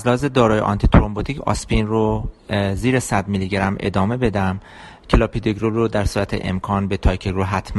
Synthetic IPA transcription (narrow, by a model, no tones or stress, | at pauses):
æzlæhɒːzed̪ɒːɾɒːjeʔɒ̰nt̪ʰit̪ʰoɾombot̪ʰicʰɒ̰spinroziːɾesæd̪miliɡeɾæmʔḛd̪ɒːme̞be̞d̪æm | cʰelɒːpʰid̪eɡɾoɾod̪æɾsuːɾæt̪ʰḛʔḛmkʰɒːnbet̪ʰɒjkʰeɡɾoɦæt̪ʰmæ